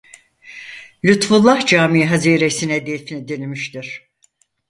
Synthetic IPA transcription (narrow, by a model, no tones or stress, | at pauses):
lʲyt̪fulˠːahd͡ʒaːmiɦaziːɾesinɛd̪efinid̪enimiʃt̪iɾ̥